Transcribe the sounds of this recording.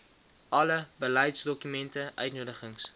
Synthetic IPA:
ʔɐləbəlɛjtsdɔkymɛntəʔœ̰ɥtnuədəχəŋs

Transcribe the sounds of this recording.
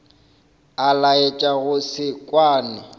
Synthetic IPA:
alaet͡ʃʼaɣʊsɪkʼwaːnɪ

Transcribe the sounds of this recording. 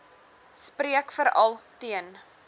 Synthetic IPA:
spɾiəkfəɾɐ̰lˠtiən

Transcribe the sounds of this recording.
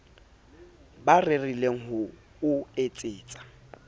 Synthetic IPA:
barerileŋ̩ɦʊ | ʊet͡sʼɪːt͡sʼḁ

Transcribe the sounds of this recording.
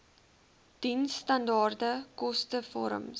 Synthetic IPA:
d̥insːtɐndɑːrdəkɔstəfɔ̰ɾə̰m

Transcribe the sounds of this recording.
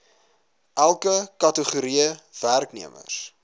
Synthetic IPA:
ʔælˠkəkɐtəχuɾiəværknḭəmə̰s

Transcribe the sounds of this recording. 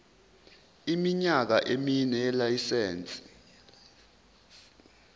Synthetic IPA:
imiɲak̬aʔeminɛjɛlajisɛːnt͡sʼi̥

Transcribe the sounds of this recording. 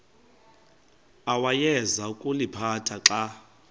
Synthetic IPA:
awajɛzaukʼulipʰatʰaǁa

